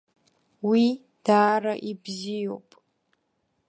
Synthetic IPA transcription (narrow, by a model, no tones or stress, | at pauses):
wi | d̥aːɾaʔibzijowpʼ